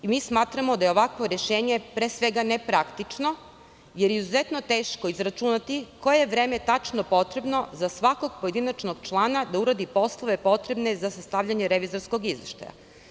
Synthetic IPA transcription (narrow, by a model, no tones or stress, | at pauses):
imiːsmaːt̪ɾamo̞d̪ajeo̞ʋakʋo̞ɾe̞ʃeːɲepɾeːsʋeɡanepɾakt̪it͡ʃno̞ | jeɾizuzet̪no̞t̪eːʃkoizɾat͡ʃunat̪ikojeeʋɾeːmet̪at͡ʃnopo̞t̪ɾe̞bno̞zasʋako̞ɡpoje̞d̪inat͡ʃnoɡ̚t͡ʃlˠaːnad̪auɾad̪ipo̞slˠoʋe̞po̞t̪ɾe̞bne̞zasast̪aʋʎaɲeɾeʋizo̞ɾsko̞ɡizʋḛʃt̪a̰ja̰